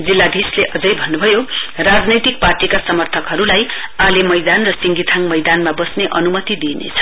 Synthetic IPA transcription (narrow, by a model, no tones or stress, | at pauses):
d͡zilːab̪ʱisleʔʌd͡zʌjbʱʌnːubʱʌjorad͡znʌjt̪ik̚parʈikasʌmʌrt̪ʰʌkɦʌɾulaj | alemʌjd̪anrʌsiŋɡit̪ʰaŋmʌjd̪anmabʌsneʔʌnumʌt̪id̪inḛt͡sʰʌ̥